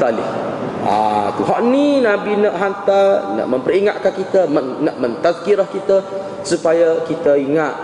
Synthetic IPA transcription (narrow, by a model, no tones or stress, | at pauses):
t̪alɪ̰ha̰t̪uɦɔʔninabinəʔɦant̪anə̰ʔmə̃mpəɾiŋaʔ̪̚kankit̪əmənəʔmə̃nt̪askiɾɔhkit̪ə | supajakit̪əiŋat̪̚